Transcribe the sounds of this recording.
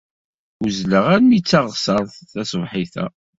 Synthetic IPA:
ʊzləʁæɾmit͡sːɑʁsɑɾˤθθæsvħiθæ̰

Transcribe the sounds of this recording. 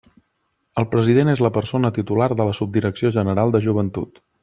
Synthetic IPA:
əlˠpɾəziðenezləpəɾsonət̪it̪ulaɾðələsub̚d̪iɾəksioʒənəɾalˠd̪əʒuβ̞ənt̪ut̪

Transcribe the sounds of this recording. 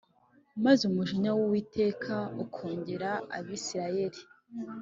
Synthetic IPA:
mazumuʒiɲawowiːtʰe̞ːkʰaukʰoːɲɟe̞ɾaa̰βisiɾaje̞ɾi

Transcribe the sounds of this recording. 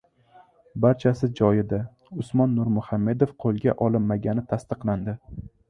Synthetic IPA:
baɾt͡ʃʰasɪd͡ʒɒjɪd̪a | ʊsmɒnːʊɾmʊhamːe̞d̪ofqʰolˠɡʲa̰ʔɒlɪnmːaɡʲanɪt̪ʰast̪ɨqlˠand̪ɪ

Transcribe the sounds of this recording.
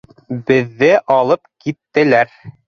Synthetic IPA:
bɘ̆ðːɘʔɑlˠɤpkit̪ːɘ̆læɾ

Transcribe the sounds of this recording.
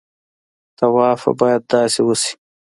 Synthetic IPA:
t̪awɑːfa̰bɑːjad̪̚d̪ɑːsewʊsi̥

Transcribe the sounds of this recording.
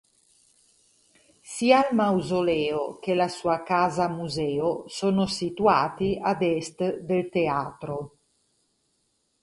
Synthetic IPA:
sialmawzolɛːokelasuːakaːzamuzɛːosonosit̪uaːt̪iad̪ɛst̪d̪elt̪eaːt̪ɾo

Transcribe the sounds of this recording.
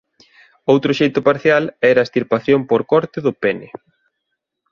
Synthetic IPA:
owt̪ɾʊʃejt̪ʊpaɾθjalɛɾɐest̪iɾpaθjompoɾkɔɾt̪ɪðʊpɛnɪ

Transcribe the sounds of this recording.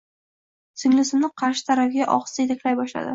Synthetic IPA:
sʰɪŋlɪsɪmnɪqʰɑɾʃɪ̥t̪ʰaɾafɡʲaʔɒ̰qst̪ajet̪ʰakʲlajbɒʃla̰d̪ɪ

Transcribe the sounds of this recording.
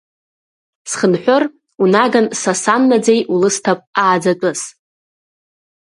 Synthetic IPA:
sχənħʷᶣor | unaɡansasanːad͡zejulɨstʰapʼaːd͡zat͡pʷʼʊz

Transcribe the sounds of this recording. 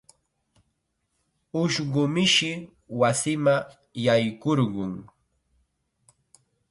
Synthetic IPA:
ʊʃɢʊmɪʃɪ | wasɪma | jajkoɾɢʊŋ

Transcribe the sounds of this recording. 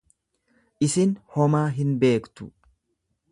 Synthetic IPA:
ʔɪsɪnhɔmaːɦɪnbe̞ːkt̪ʊ̰

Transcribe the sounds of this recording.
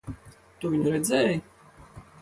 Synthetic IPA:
t̪uviɲuɾɛd̪zɛːj

